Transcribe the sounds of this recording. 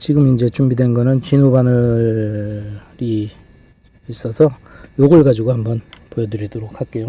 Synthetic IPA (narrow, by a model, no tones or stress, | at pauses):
t͡ɕiɡɯmind͡ʑe̞t͡ɕumbidwe̞nɡʌnɯnt͡ɕinobanɯ | ɾi | s͈ʌsʰʌjoɡɯɭɡad͡ʑuɡohambʌnpojʌdɯɾidoɾok̚hak̚k͈ejo